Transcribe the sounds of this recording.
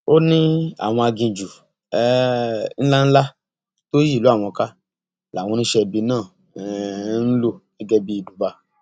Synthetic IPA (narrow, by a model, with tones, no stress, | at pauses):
o˦nĩ˦a̰˨w̃ɔ̃˧a˧ɡĩ˧d͡ʒu˨ | ɛ˦n̩˦la˦n̩˦la˦ | to˦ji˦˨lu˨˦a˦˨w̃ɔ̃˧ka˦ | la˨w̃ɔ̃˧nĩ˦ʃɛ˧bi˧nãː˦˨ | n̩˦lo˦nɛ˦ɡɛ˦bi˦i˧˨du˨ba˧